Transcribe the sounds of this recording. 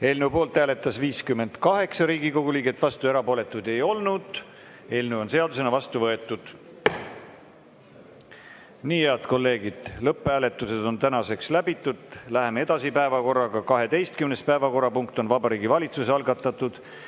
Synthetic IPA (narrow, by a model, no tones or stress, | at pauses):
e̞lnupo̞ːlt̪hæːle̞t̪ːˑɑsviːskymːe̞nd̪̥kɑɦe̞ksɑɾiːɡiko̞ɡ̥uliːɡet̪ːˑvɑst̪ueɾɑpo̞ːle̞t̪ːˑud̪e̞jo̞lnud̪̥ | e̞lnuo̞nse̞ɑd̪use̞nɑvɑst̪uvɤe̞t̪ːˑud̪̥ | niːjeɑd̪̥ko̞lːe̞ːɡid̪̥lɤpːˑæːle̞t̪ːˑuse̞d̪o̞nt̪ænɑse̞kslæbit̪ːˑud̪̥læɦe̞mee̞d̪ɑsipæe̞vɑko̞rːɑɡ̥ɑkɑɦe̞t̪e̞jst̪̚kymne̞spæevɑko̞ɾːɑpuŋkt̪ˑo̞nvɑbɑɾiːɡivɑlʲit̪suseɑlɡɑt̪ːˑɑt̪ːˑud̪̥